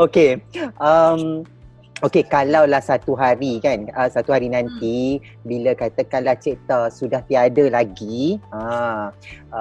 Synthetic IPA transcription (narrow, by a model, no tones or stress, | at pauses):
okeʔəm | okekalawlahsat̪uɦaɾikanəsat̪uɦaɾinãnt̪i | bilakat̪akanlaht͡ʃeʔt̪əsudaht̪iadalaɡiə̃